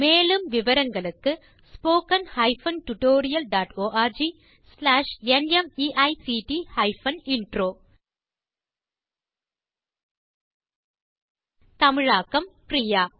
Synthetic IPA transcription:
meːlɯmʋɪʋɐɾɐŋɡɐɭɯkːɯ | spoːkɐnhɐɪfɐnʈʊʈoːɾɪjɐlɖaːʈoːʔaːɾd͡ʒi | slaːʂɛnɛmiːʔɐɪsiːʈihɐɪfɐnɪɳɖɾoː | t̪ɐmɪɻaːkːɐmpɾijaː

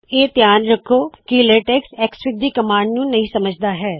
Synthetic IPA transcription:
eːt̪jaːnɾəkʰːoːkileːʈeːksɛːksɾɪk̚d̪iːkəmãːɳɖnũːnɐɦĩːsəməd͡ʒʱd̪aːɦɛː

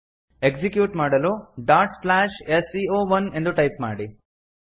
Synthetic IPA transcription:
eksikjuːʈmaːɽɐluɖaːɾʈsplaːʃesiːoːʋɐnend̪uʈɐjp̚maːɽi

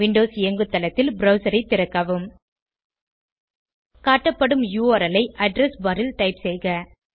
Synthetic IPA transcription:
ʋɪɳɖoːsɪjɐŋɡɯt̪ːɐlɐt̪ːɪlbɾɐʊsɐɾɐɪt̪ːɪɾɐkːaːʋɯm | kaːʈːɐpːɐɽɯmjuːɐɾɐlɐɪʔɐɖɾɛsbɐɾɪlʈɐɪpsɛjɣɐ

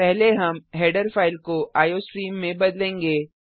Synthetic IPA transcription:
pɛɦleɦɐmɦeːɖəɾfaːɪlkoʔaːjosɾiːmːẽbɐd̪lẽːŋɡeː

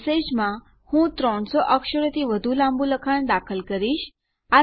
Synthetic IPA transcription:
sed͡ʑmã | hũt̪ɾɔɳsɔʔəkʃəɽt̪iʋəd̪ʱulãmbuləkʰaɳd̪akʰəlkəɾiːʃ | a

